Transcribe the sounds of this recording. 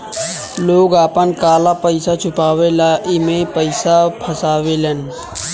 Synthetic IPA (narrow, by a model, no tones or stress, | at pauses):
loːɡaːpənkaːlapəɪsat͡ʃʰʊpaːwelaːʔimẽpəɪsapʰəsaːwelən